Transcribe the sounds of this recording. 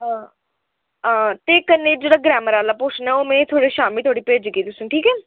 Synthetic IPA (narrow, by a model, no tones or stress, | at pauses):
ɦãː | ãːt̪eːkənːeːd͡ʒeːɽaːɡɾɛːməɾaːlaːpʊt͡ʃʰnɛːoːmẽːt̪ʰoaːɽeːʃaːmilt̪ʰaːɽiːpeːd͡ʒkeːt̪ʊsʈʰiːkɛː